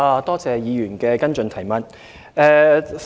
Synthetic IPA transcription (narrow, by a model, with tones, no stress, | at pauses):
aː˧t̪ɔː˥t͡sɛː˨˧jiː˨˧jyː˨˩nkɛː˧kɐ˥nt͡sɵ˧nt̪ʰɐ˨˩jmɐ˨t̚ | ɛː˧